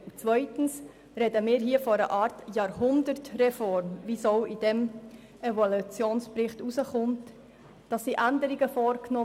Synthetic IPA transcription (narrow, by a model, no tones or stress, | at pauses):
t͡svœʏtn̩s | rɛdəmɪːɾɦiːəfoɾəʔɑːɾtjɑːɾhʊndəɾtrɛfɔɾmvisoʊʔid̥ɛm | evolut͡sjoːnsprɪχtusəχʊmt | d̥ɑsːiʔændəɾiɡəfoːɾknɔ